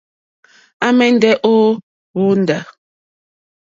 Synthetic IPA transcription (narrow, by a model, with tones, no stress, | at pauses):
a˦mɛ˦n̩˦dɛ˦ʔo˦ | wo˦n̩˨da˨